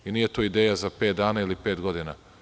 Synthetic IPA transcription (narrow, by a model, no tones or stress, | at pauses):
inije̞t̪oid̪eːjazape̞ːt̪̚d̪aːnailipeːt̪ɡo̞d̪ina